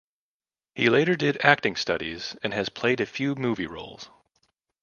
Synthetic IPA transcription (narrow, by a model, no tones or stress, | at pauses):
hileɪɾə˞dɪɾæk̚tɪ̃ŋstʌ̰ɾḭz̥ɨ̃nɨz̥pʰl̥eɪɾɨfjʉmuvḭɹo̰ʊlˠz̥